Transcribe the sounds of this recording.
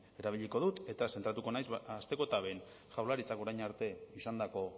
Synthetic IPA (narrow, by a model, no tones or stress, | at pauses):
e̞ɾaβ̞iʎiko̞ðut̪e̞t̪ase̞nt̪ɾat̪ukonajzast̪e̞ko̞et̪aβe̞n | ʝawlaɾit͡sako̞ɾajɲaɾt̪e̞isand̪ako̞